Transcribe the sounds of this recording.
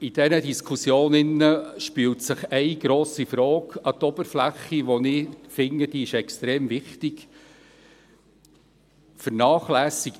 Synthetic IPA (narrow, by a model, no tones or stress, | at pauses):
id̥ɛnədiskʰusjoːnɪnːəʃpyːltsəχɛɪɡ̥ɾoːsifɾɔːkɑt̪ɔb̥əɾflæχːiʋɔnɪfɪŋəd̥iɪʃɛkstɾeːmvɪχtik | fəɾnɑːχlæːsik